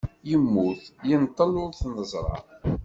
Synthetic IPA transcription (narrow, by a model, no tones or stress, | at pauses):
jəmːuθjənt̪ˤːəlʊɾθnəzˤɾˤɑ̰ɾ